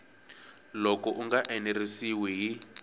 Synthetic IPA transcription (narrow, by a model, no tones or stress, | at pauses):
lɔkɔʔuŋɡaʔɛnerisiwɛɦi